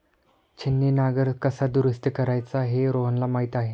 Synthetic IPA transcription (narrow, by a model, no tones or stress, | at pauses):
t͡ɕʰinːinaɡəɾkəsad̪uɾəst̪əkəɾajt͡saɦeɾoɦənlamaɦit̪aɦe